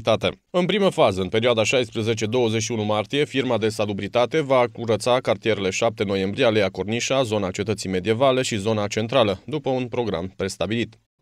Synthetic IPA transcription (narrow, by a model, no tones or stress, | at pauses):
t̪at̪ḛ | ɨnpɾiməfazəɨnpe̞ɾioad̪aʃajspɾuze̞t͡ʃe̞d̪o̞wəzeʃiunumart̪ije̞firmad̪e̞salubɾit̪at̪e̞vakuɾət̪sakart̪ije̞ɾele̞ʃap̚t̪e̞no̞je̞mbɾiealejakorniʃazo̞nat͡ʃe̞t̪ət̪sijme̞d̪ije̞valeʃizo̞nat͡ʃe̞nt̪ɾaləd̪upəunpɾo̞ɡɾa̰mpɾe̞st̪abilit̪